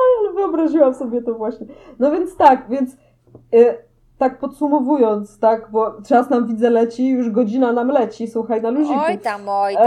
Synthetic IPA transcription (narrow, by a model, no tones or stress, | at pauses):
aɔlɛvɨɔbɾaʑiwamsɔbʲjɛt̪ɔvwaɕɲɛnɔvʲjɛnt̪st̪akvʲjɛnt̪s | t̪ak̚pɔt̪sumɔvujɔnt̪st̪aɡbɔt͡ʂasnamvʲid̪zɛlɛt͡ɕijuʐɡɔd͡ʑinanamlɛt͡ɕiswuxajnaluʑiku